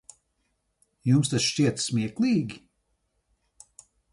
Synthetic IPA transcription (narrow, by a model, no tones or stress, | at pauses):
jumst̪asʃt͡ʃiɛt̪smʲiɛklˠiːɡʲi